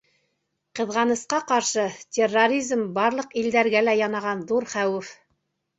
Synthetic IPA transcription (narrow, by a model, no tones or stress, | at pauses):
qɤ̆ðʁɑnɤ̆sqɑqɑɾʃɤtʲerːoɾʲizmbɑɾlˠɤqild̪æɾɡælæjɑnɑʁɑnðuɾχæwɘf